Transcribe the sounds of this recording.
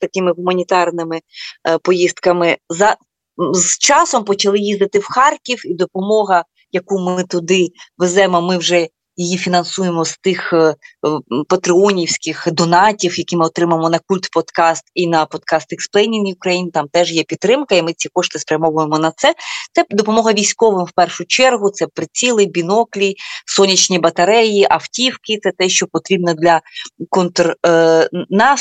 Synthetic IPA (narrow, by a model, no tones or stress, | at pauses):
t̪ɐkʲɪmɪɦʊmɐnʲit̪ɑrnɪmɪpɔjist̪kɐmɪzɐ | zt͡ʃɑsɔmpɔt͡ʃɐlˠɪjizd̪ɐt̪ɪwxɑrkʲiwid̪ɔpɔmɔɦɐ | jɐkumɪt̪ʊd̪ɪʋɪzɛmɔmɪwʒɛ | jijifʲinɐnsujemɔst̪ɪx | pɐt̪ɾɪɔnʲiwsʲkɪxd̪ɔnɑtʲiwjɐkʲimɪɔt̪ɾɪmɐmɔnɐkulʲt̪pɔd̪kɑst̪inɐpɔd̪kɑst̪ɪksplˠɛnʲinʲiʊkɾɐjint̪ɑmt̪ɛʒjɛpʲidt̪ːɾɪmkɐimɪt͡sʲikɔʃt̪ɪspɾʲɐmɔʋʊjemɔnɐt̪sɛt̪sɛd̪ɔpɔmɔɦɐʋʲijsʲkɔʋɪmwpɛrʃʊt͡ʃɛrɦʊt̪sɛpɾɪt͡sʲilˠɪbʲinɔklʲisɔnʲit͡ʃnʲibɐt̪ɐɾɛjiʔɐftʲiwkɪt̪sɛt̪ɛʃt͡ʃɔpɔt̪ɾʲibnɔd̪lʲɐkɔnt̪r | nɑ